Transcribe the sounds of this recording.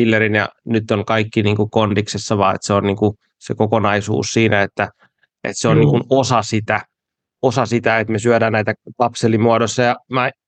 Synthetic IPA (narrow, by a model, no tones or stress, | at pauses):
ilːerinjɑ̰nyt̪ːoŋkɑikːiniːŋkukond̥iksesːɑʋɑːḛt̪seonniːŋku | sekokonɑisṵːssiːnæet̪ːæ | ʔḛt̪seonniːŋkunosɑsit̪æ | osɑsit̪æet̪mesyødæːnnæit̪ækɑpselimuɑdosːɑjɑmæ